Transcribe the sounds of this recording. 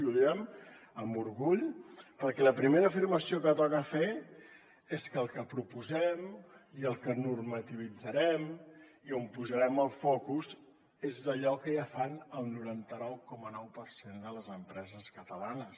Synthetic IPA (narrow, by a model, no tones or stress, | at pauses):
uðiəm | əmbuɾɣuʎpəɾkɛləpɾimeɾəːfirməsiokət̪ɔkəfe | eskəlˠkəpɾupuzɛmiəlˠkənurmət̪iβ̞id͡zəɾɛm | iompuzəɾɛməlˠfɔkuz | ezðəʎɔkəjafanəlˠnuɾant̪ənɔwkɔmənɔwpəɾsend̪ələzəmpɾɛzəskət̪əlanəs